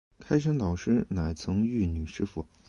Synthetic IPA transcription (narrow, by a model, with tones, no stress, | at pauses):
kʰa˥ɪʂ̬ə˥nt̪ɑ˨˩ʊʂɻ̩˥na˨˩ɪt͡sʰɤ˧˥ŋy˥˩ny˨˩ʂɻ̩˥fu˨˩